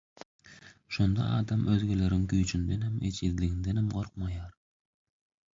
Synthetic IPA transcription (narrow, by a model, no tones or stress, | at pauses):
ʃond̪ɑ̰ɑ̰ːd̪ɑmʔøzɡʲælæɾɪŋkʲyjt͡ʃʰynd̪ænhæmḛt͡ʃʰizlɪɡʲind̪ænhamqoɾqmɑjɑɾ